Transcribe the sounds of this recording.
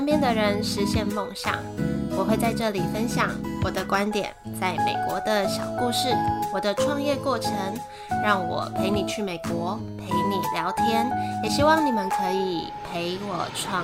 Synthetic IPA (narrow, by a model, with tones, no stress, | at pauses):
npjɛ˥nd̪ə˨ɻə˧˦˥nʂɻ̩˧˦˥ɕjɛ˥˧nmo˥˧˩ŋɕjɑ̰˥˩ŋwɔ˨˩xwe˥˧ɪt͡sa˥˧ɪʈ͡ʂɤ˥˩li˨˩fə˦nɕjɑ̰˨˩˦ŋwɔ˨˩d̪ə˦kwa˦˥nt̪jɛ̰˨˩nt͡sa˥˩ɪme˨˩ɪkwɔ˧˥d̪ə˧ɕjɑ˨˩ʊku˥˧ʂɻ̩˥˩wɔ˨˩d̪ə˦ʈ͡ʂʰwɑ˥˧ŋjɛ˥˧kwɔ˥˩ʈ͡ʂʰə˧˥ŋ | ɻɑ˥˩ŋwɔ̰˨˩pʰe˧˥ɪni˨˩t͡ɕʰy˥˩me˨˩ɪkwɔ˧˥ | pʰe˧˥ɪni˨˩ljɑ˧˥ʊt̪ʰjɛ˥njɛ˨˩ɕi˥wɑ˥˩ŋni˨˩mə˦nkʰɤ˧˥i˨˩ | pʰe˧˥ɪwɔ˨˩ʈ͡ʂʰwɑ˥˩ŋ